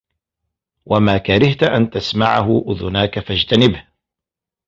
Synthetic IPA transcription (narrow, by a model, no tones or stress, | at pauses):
wʔamaːkaɾɪht̪ʔant̪asmaʕahʊʔʊðʊnaːkafad͡ʒt̪anɪbh